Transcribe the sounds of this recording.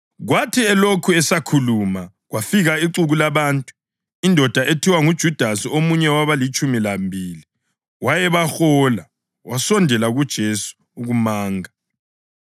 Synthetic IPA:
ɣwatʰiɛlokʰuɛsakʰuluma | ɣwafiɣaiǀuɣulaβaːntʼu̥ | indʱɔd̥ʱaʔetʰiwaŋud̥ʒ̥ʱud̥ʱasiomuɲɛwaβalit͡ʃʼumilambʱiːli | wajɛβaxɔla | wasɔndʱɛlaɣud̥ʒ̥ʱesu̥ːɣumaːŋa

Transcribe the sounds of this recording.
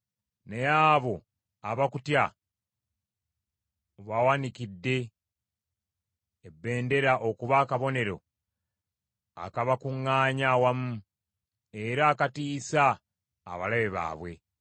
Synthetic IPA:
ne̞jaːβo̞ | aβakutja | oβawanikidːe̞ | bːe̞ːnde̞ɾaʔokuβaːkaβo̞ne̞ɾo̞̰ | a̰kaβakuŋːaːɲawamu | e̞ɾaːkatiːsa̰ː | βalaβeβa̰ːβwe̞

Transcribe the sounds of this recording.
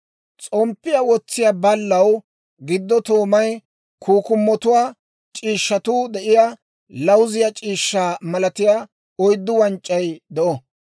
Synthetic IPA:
t͡sʼɔmpːɪjawɔt͡sːɪjaːbɐlːɐw | ɡɪd̪ːɔt̪oːmɐj | kʰuːkʊmːɔt̪ʊwaː | t͡ʃʼiːʃːɐt̪uːd̪ɛʔɪja | lɐwzɪjat͡ʃʼiːʃːaːmɐlɐt̪ɪjaː | ɔjd̪ːʊwɐnt͡ʃʼːɐjd̪ɛʔɔ

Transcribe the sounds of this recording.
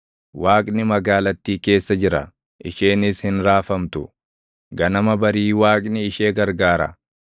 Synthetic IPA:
waːkʼnɪmɐɡaːlɐt̪ːiːke̞ːsːɐd͡ʒɪɾɐ̰ | ʔɪʃeːnɪshɪnɾaːfɐmt̪ʊ̰ | ɡɐnɐmɐbɐɾiːwaːkʼnɪɪʃeːɡɐɾɡaːɾɐ̰

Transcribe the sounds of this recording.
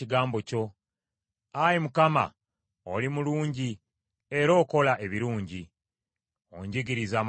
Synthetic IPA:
iɡaːmbo̞co̞ | ajemukama̰ | o̰limuluːɲɟi | e̞ɾo̞ːko̞laʔe̞βiɾuːɲɟi | o̰ɲɟiɡiɾizaːm

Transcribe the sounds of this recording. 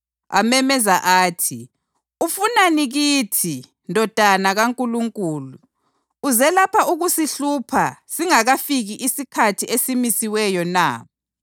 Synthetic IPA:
a̰mɛmɛzaʔaːtʰi | ufunaniɣitʰi | ndʱɔd̥ʱanaɣaŋkʼuluŋkʼuːluː | zɛlapʰauɣusiɬupʰasiŋaɣafiɣiʔisikʰatʰiesimisiwɛjɔna̰ː

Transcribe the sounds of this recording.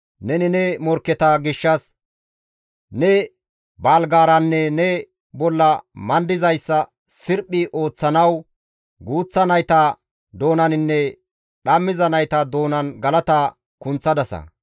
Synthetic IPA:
nɛnɪnɛmɔɾkːɛt̪ɐɡɪʃːɐs | nɛ | baːlɡaːɾɐnːɛnɛ | bɔlːɐmɐnd̪ɪzɐjsːɐ | sɪɾpʼːɪʔo̞ːt͡sːɐnɐw | ɡuːt͡sːɐnɐjt̪ɐ | d̪o̞ːnɐnɪnːɛ | ɗɐmːɪzɐnɐjt̪ɐd̪o̞ːnɐnɡɐlɐt̪a | kʊnt͡sːɐd̪ɐsɐ̰

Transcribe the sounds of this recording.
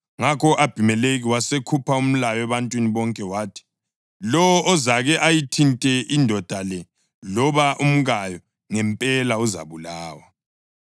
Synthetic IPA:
ŋakʰɔʔab̥ʱimɛleɣiwasekʰupʰaum̩lajɔɛβantʼwiniβɔŋkʼɛwaːtʰi̥ | lɔwɔʔɔzaɣɛʔajitʰintʼɛʔindʱɔd̥ʱalɛ | lɔβaʔum̩ɣajɔ | ŋɛmpʼɛlauza̰βulaːwa

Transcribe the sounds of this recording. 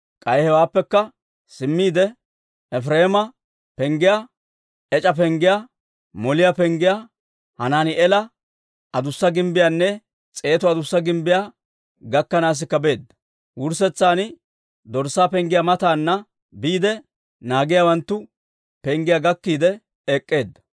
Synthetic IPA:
kʼɐjhɛwaːpːɛkːɐ | sɪmːiːd̪ɛ | ɛfɾeːmɐ | pɛŋɡɪja | ɛt͡ʃʼɐp̬ɛŋɡɪja | mɔlɪjapɛŋɡɪja | hɐnaːnɪʔɛlɐ | ʔɐd̪ʊsːɐɡɪmbɪjanːɛ | t͡sʼe̞ːt̪ɔɐd̪ʊsːɐɡɪmbɪjaː | ɡɐkːɐnaːs̬ɪkːɐbe̞ːd̪ːɐ̥ | wʊɾsɛt͡sːaːnɪ | d̪ɔɾsːaːpɛŋɡɪjamɐt̪aːnːɐ | biːd̪ɛ | naːɡɪjawɐnt̪ːʊ | pɛŋɡɪjaɡɐkːiːd̪ɛ | ɛkʼːeːd̪ːɐ̥

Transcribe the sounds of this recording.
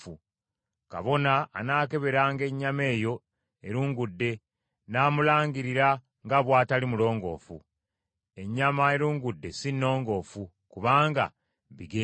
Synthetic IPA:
u | ka̰βo̞na̰ːnaːke̞βe̞ɾaːŋɡe̞ɲːame̞ːjo̞ | eɾuːŋɡudːe̞ | naːmulaːɲɡiɾiɾa | ŋɡaβwaːtalimulo̞ːŋɡo̞̰ːfṵ | e̞ɲːamae̞ɾuːŋɡudːe̞sinːo̞ːŋɡo̞ːfu | kuβaːŋɡa̰ | βiɡe

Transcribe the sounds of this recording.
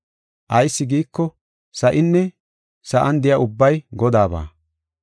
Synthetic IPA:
ʔɐjsːɪɡiːkːɔ | sɐʔɪnːɛ | sɐʔɐnd̪ɪjɐʔʊbːɐjɡɔd̪aːba̰ː

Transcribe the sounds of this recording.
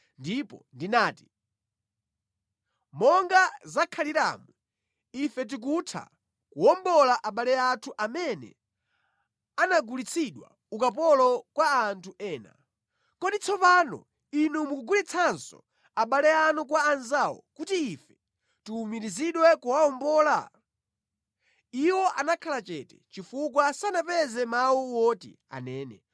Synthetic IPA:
ndipɔ̰ndinaːti̥ | mɔŋɡazakʰaliɾa̰ːmu | ifɛt̬ik̬utʰa̰ | kuwɔmbɔlaʔaɓalɛatʰuʔamɛnɛ̰ | anaɡulit͡sʰiɗwa̰ | ukapɔlɔkwaantʰuʔɛːna̰ | kɔɗit͡sʰɔpaːnɔ̰ | inumukuɡulit͡sʰansɔ̰ | aɓalɛanukwaːnzawɔ̰kutiːfɛ | tuːmiɾiziɗwɛkuwaɔmbɔːla̰ | iwɔʔanakʰalat͡ʃɛtɛt͡ʃifukwasanapɛzɛmawuwɔːtḭ | a̰nɛːnɛ̰

